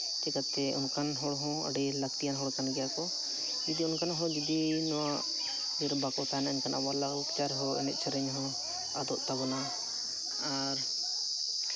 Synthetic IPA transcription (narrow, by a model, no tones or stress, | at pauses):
t͡ʃɛkat̪ːɛɔnkanɦɔɽɦɔ̃ə̰ɖɛlək̚t̪ijanɦɔɽkanɡɛjakɔ | d͡ʒid̪iɔnkanɦɔ̃d͡ʒid̪inɔwaʔ | d͡ʒɔɾbakɔt̪anaɛɲkanabalaɡkt͡ʃaɾɦɔɛ̰nɛt̪̚t͡ʃʰəɾəɲɦɔ̃ | ad̪ɔʔt̪abɔna | a | ɾ